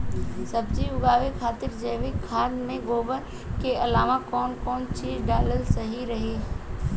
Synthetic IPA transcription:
sɐbd͡ʒiʊɡaːʋekʰaːt̪ɪɾd͡ʒəːʋɪkʰːaːd̪mẽɡoːbəɾ | keɐlaːʋakɔːnkɔːnt͡ʃiːzɖaːləlsɐɦiɾɐɦiː

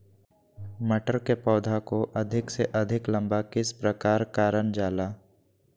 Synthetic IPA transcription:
mɐʈəɾkepɔːd̪ʱakoʔɐd̪ʱɪkseʔɐd̪ʱɪklə̃mbakɪspɾəkaːɾkaːɾənd͡ʒaːlaː

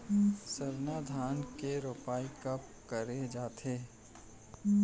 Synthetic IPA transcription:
səɾnaːd̪ʱaːnkeɾʊpaːikɐp̚ | kəɾed͡ʒaːt̪ʰeː

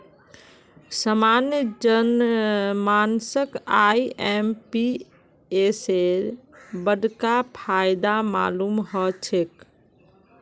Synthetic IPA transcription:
səmaːnjəd͡ʒənmaːnsəkaiɛmpi | eseɾ | bəɖkapʰaːɪd̪ama̰ːlumɦɔt͡ʃʰek

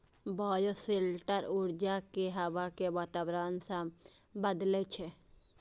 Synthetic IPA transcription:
baːjoselʈəɾuɾd͡ʒakeɦəʋakeʋaːt̪abɾansã | bəd̪let͡ʃʰe

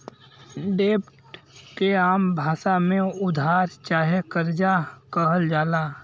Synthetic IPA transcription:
ɖeːpʈkeaːmbʱaːʃamẽʊd̪ʱaːɾt͡ʃaːɦekəɾd͡ʒakəɦəld͡ʒaːlaː

